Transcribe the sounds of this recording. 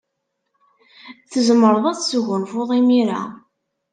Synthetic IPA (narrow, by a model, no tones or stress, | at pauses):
θəzəmːəɾˤəðˤæθsuɣənfʊʁimiɾæ̰